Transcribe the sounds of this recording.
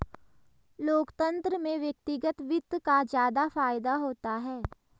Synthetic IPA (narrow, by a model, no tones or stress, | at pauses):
loːkt̪ə̃nt̪ɾəmẽʋjək̚t̪ɪɡət̪ʋɪt̪ːkazjaːd̪afaːɪd̪aɦoːt̪aɦɛː